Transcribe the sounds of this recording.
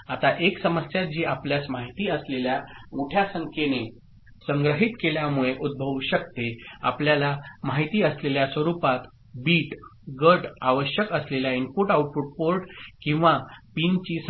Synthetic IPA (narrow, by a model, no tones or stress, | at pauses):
at̪aʔeksəməsjad͡ʑiːapljasmaɦit̪iːəsleljamoʈʰjasəŋkʰene | səŋɡɾəɦit̪keljamuɭeʔud̪̚bʱəʋɕək̚t̪ea̰pljalamaɦit̪iːəsleljasʋəɾupat̪ | biːʈɡəɾɖaʋəɕjəkəsleljainpuʈauʈfuʈ̚poɾʈkĩw̃ʋapint͡ɕiːs